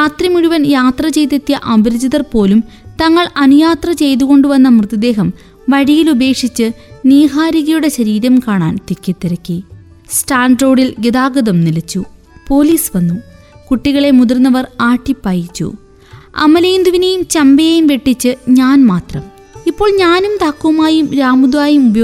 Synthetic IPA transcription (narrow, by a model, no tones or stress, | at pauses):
jaːt̪rɐmuɻuʋɐnjaːt̪rɐt͡ɕe̞jt̪ɐt̪ːijɐʔɐbɐɾɐd͡ʑiðɐrpo̞ːlum | t̪ɐŋːɐɭɐnujaːt̪rɐt͡ɕe̞jt̪̬uɣo̞ɳɖuʋɐnːɐmrɨt̪ːɐd̪e̞ːɦɐm | ʋɐɻijilube̞ːkʂit͡ɕːɨ | niːɦaːɾiɣɐjuɽeɕɐɾiːɾɐmkaːɳa̰ːnt̪ikʲːet̪ːiɾɐkːi | sʈaːɳɖro̞ːɽilɡed̪aːɡɐðɐmnilɐt͡ɕːu | po̞ːliːsʋɐnːum | kuʈːiɣɐɭe̞muðɐrnːɐʋɐraːʈːipːaːjit͡ɕːṵ | ɐ̰mːɐlɐjund̪uʋinejumt͡ɕɐmbɐjejumʋe̞ʈːit͡ɕːɨɲaːnmaːt̪rɐm | ipːo̞ːɭɲaːnumt̪aːkːuʋɐmaːjumɾaːmud̪ʋaːjumubɐj